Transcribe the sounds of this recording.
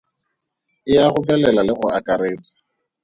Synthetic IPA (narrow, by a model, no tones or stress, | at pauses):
ɪaχʊkʼɛlɛlalɪχʊʔakʼaɾeːt͡sʼɪ̥